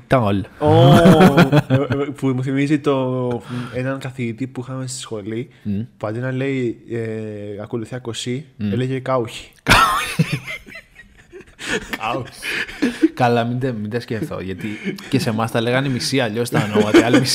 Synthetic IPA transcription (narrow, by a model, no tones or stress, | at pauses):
t̪ɐolo | pumuθimizit̪o̞ | enɐŋkɐθiit̪ipuixɐmest̪i̥sxo̞li | puɐd̪inɐle̞ieɐko̞luθiɐkosieleʝekɐuçi̥kɐui | kʰaui̥ | kɐlɐmind̪ɐmind̪ɐscefθo̞̰ʝɐt̪icese̞mɐst̪ɐle̞ɣɐnimisiɐːʎo̞st̪ɐnomɐt̪eɐlmis